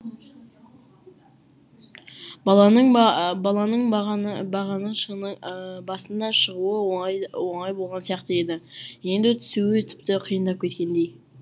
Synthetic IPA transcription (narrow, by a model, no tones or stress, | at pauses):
bɑlˠɑnəɴbɑlˠɑnəɴʁnɑʁɑnəʃə | bɑsənd̪ɑʃəʁuəwoɴɑjbolˠʁɑnsijɑqt̪əe̞d̪ɪje̞nd̪ɪt̪ʰʏ̥suɪt̪ʰɪ̥p̚t̪ɪqʰijənd̪ɑp̚kʲʰe̞t̪kʲe̞nd̪e̞j